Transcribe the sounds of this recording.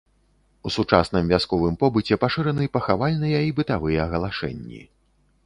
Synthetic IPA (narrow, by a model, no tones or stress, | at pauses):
usut͡ʂasn̪ɨmvʲaskɔvɨmpɔbɨt͡sʲɛpaʂɨɾɐnɨpɐxavalʲnɨjɛibɨt̪avɨjɛɐɣɐlˠaʂɛ̰nʲːḭ